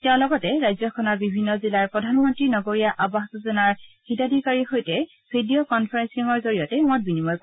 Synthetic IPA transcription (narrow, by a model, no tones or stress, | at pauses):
tɛʊ̃lɔɡɔtɛɹajzɔkʰɔnɔɹbibʱinːɔzilaɹpɹɔdʱanmɔntɹinɔɡoɹijaʔabaɦtɔzɔnaɹxitadʱikaɹixojtɛ | b̥ʰʱidijokɔnpʰaɹɛnsiŋɔɹzoɹijɔtɛmɔt̚binimɔjk